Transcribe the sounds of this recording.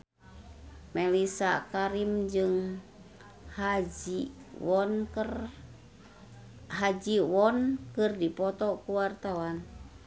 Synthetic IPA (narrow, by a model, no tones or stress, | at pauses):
mɛlisakaɾimd͡ʒɨŋ | had͡ʒwɔnkr | ɦad͡ʒiwɔnkɨrdipɔt̪ɔkuwart̪awan